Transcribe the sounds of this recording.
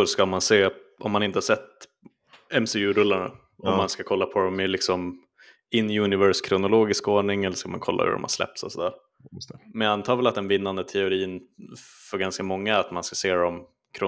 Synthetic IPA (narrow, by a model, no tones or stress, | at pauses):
ʂkamanseːʔɔmːanɪnt̪əhaʂsɛt̪ː | ɛmsɪʉɾɵlːaɳa̰ | ɔmmːanskakʰɔlːapʰɔd̪ɔmɪlɪksɔm | ɪnːjʉnɪvœɾʂkʰɾʊnʊloːɡɪskoːɳɪŋɛlːʂkamankʰɔlːʔa̰hʉ̰ɾɔ̰mha̰ɾʂslɛ̰p̚t̪sɔ̰sɔd̪æːɾ | mɛnjaant̪ʰɑːvɛlat̪d̪ɛnvɪnːand̪ət̪ʰɛʊɾiːn | fœɾɡanskamɔŋːaat̪manskaseːɾɔm | kʰɾʊ